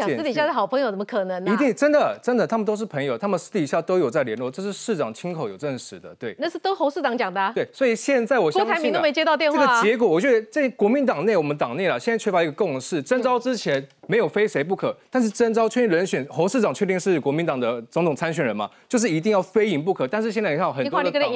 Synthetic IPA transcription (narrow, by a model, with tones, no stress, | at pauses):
t̪i˨˩ɕa˥˧˥xɑ˨˩ʊpʰə˧ŋjo˧˩ʂmə˧kʰɤ˨˩nə˧˦ŋi˧˥t̪i˥˧ŋʈ͡ʂə˥nd̪ə˨ʈ͡ʂə˥nd̪ə˨t̪ʰa˥mə˨nt̪o˥ʊʂɻ̩˥˩pʰə˧˥ŋjo˨˩ʊt̪ʰa˥mə˨ʂ̩˥˩t̪i˨˩ɕja˥˧˩t̪o˥ʊjo˨˩ʊt͡sa˥˩ɪljɛ˧˥nlwɔ˥˧ʈ͡ʂɤ˥˧ʂɻ̩˥˧ʂɻ̩˥˩ʈ͡ʂɑ˨˩ŋt͡ɕʰi˥ŋkʰo˨˩ʊjo˨˩ʊʈ͡ʂə˥˩nʂɻ̩˧˥d̪ə˧t̪we˥˩ɪna˥˧ʂ̩˥˩t̪o˥ʊxo˧˥ʊʂ̩˥˩ʈ͡ʂɑ˨˧˦ŋt͡ɕjɑ˨˩ŋd̪ə˦we˥˩ɪswɔ˧˥i˨˩ɕjɛ˥˧nt͡sa˥˩ɪwɔ˨˩ɕɑ˥˧˥ɪmi˧nt̪o˥me˧˥ɪt͡ɕjɛ˥t̪ɑ˥˧ʊt̪jɛ˥˧nə˥wɡə˩˧t͡ɕjɛ˧˥k̬wɔ˨˦wɔ˨˩t͡ɕɥɛ˧˥d̪ə˧ʈ͡ʂɤ˥˩˥kwɔ˧˥mi˧˥nt̪ɑ˨˩ŋne˥˩ɪwɔ˨˩mə˦nt̪ɑ˨˩ŋne˥˩ɪlə˩ɕjɛ˥˧nt͡st͡ɕʰɛ˥˩fa˧˥˧ɡə˧kʊ˥˧ŋʂɻ̩˥˩ʈ͡ʂə˥nʈ͡ʂɑ˥ʊʈ͡ʂɻ̩˥t͡ɕʰjɛ˧˥˦nme˧˥ɪjo˨˩ʊfe˥ɪʂe˧˥ɪp̬u˥˩kʰɤ˨˩t̪a˥˧nʂ̬ɻ̩˥˩ʈ͡ʂə˥nʈ͡ʂɑ˥ʊt͡ɕʰɥɛ˥˧t̪i˥˩ɻə˧˥nɕɥɛ˨˩nxo˧˥ʊʂɻ̩˥˩ʈ͡ʂɑ˨˩ŋt͡ɕʰɥɛ˥˧t̪i˥˧ŋʂɻ̩˥˩kwɔ˧˥mi˧˥nt̪ɑ˨˩ŋd̪ə˦t͡sʊ˧˥ŋt̪ʰʊ˨˩ŋt͡sʰa˥nɕɥɛ˨˩nɻə˧˦nmɐ̰˨t͡ɕjo˥˧ʊʂ̬ɻ̩˥˩i˧˥t̪i˥˧jɑ˥˩ʊfe˥ɪi˧˥ŋpu˥˩kʰɤ˨˩t̪a˥˧nʂɻ̩˥˧ɕɛ˥˧t͡sni˨kʰa˥˩˨xtw